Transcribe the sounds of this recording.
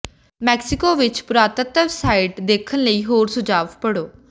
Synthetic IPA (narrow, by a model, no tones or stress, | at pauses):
mɛːksɪkoːʋɪt͡ʃpʊɾaːt̪ət̪əʋsaːɪʈd̪eːkʰənləiːɦoːɾsʊd͡ʒaːʋpəɽoː